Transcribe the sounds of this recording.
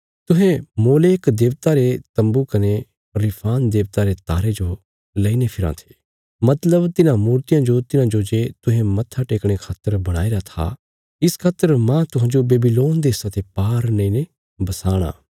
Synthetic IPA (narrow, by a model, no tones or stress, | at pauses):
t̪ʊɦẽmoːleːkd̪eːʋt̪aɾet̪ɐ̃mbukɐne | ɾɪpʰaːnd̪eːʋt̪aɾet̪aːɾed͡ʒo | lɐinepʰɪɾã̰t̪ʰe̥ː | mɐt̪ləbt̪ɪnãmuːɾt̪ijãd͡ʒot̪ɪnãd͡ʒod͡ʒet̪ʊɦẽmɐt̪ʰːaʈeːkɽ̃ekʰaːt̪ːəɾbɐɽ̃a̰ːeɾat̪ʰa̰ | ɪskʰaːt̪ːəɾmãt̪ʊɦãːd͡ʒobeːbiloːnd̪esãt̪ʰepaːɾnɐ̃ĩne | bɐsaːɽ̃a̰ː